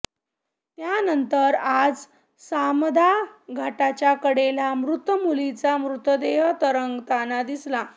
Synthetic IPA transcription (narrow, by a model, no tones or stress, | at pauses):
t̪janənt̪əɾad͡z | samd̪ʱaɡʱaʈat͡ɕjakəɽelamɾut̪əmulit͡samɾut̪əd̪eɦt̪əɾəŋɡt̪anad̪isla